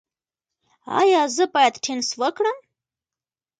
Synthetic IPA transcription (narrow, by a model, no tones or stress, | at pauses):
ɑ̰jɑzəbɑjad̪ʈʰenswəkɽəm